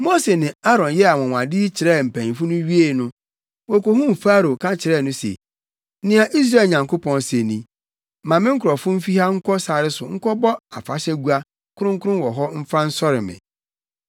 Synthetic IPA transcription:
mo˦se˨nɪ̃˨a˦ɾɔ̃˨njɛ˦a˨wɔ̃˨wã˨dɪ˦t͡ɕʰɪ˨ɾɛ˦˨m̩˨pʰæ̃˨ĩ˨fu˦nʊ̃˦ɥi˦e˨nʊ̃˦ | wɔ˨ko˨hũ˦m̩˨faː˦ɾo˨kʰã˦t͡ɕʰɪ˨ɾɛ˦˨nʊ̃˦sḛ˨˦ | nɪ̃˦a˨ʔi˦s̬ɾa˦˨lɲã˨ŋko˦pʰɔ̃˨nse˨nĩ˨ | mã˨mɪ̃˦ŋ̩˦kʰʊ˨ɾɔ˨fʊ̃˦m̩˦fi˦ha˦ŋ̩˦kʰɔ˦sa˨ɾɪ˦sʊ˨ŋ̩˦kʰɔ˦bɔ˦a̰˨fa̰˨ɕɛ˦ɡu˦a˦ | kʰʊ˦ʊ̃˦ŋ˦kʰʊ˦ʊ̃˦nwɔ˨ɦɔ˦m̩˦fã˦n̩˦sɔ˦ɾɪ˨mɪ̰̃˨

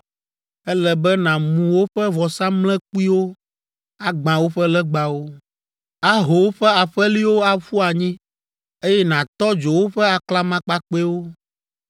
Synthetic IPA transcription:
ɛ˦lɛ˨bɛ˦nã˨mũ˨wo˦ɸɛ˦vɔ˨sã˦mlɛ̃˦k͡pu˦i˦wo˦ | a˦ɡ͡bã˨wo˦ɸɛ˦lɛ˦ɡ͡ba˨wo˦ | a˦ɦo˨wo˦ɸɛ˦a˨ɸɛ˦li˦wo˦a˦fu˦a˨ɲĩ˦ | e˦jɛ˦nã˨t̪ɔ˦d͡ʒo˨wo˦ɸɛ˦a˨kla˦mã˦k͡pa˦k͡pe˦wo˦

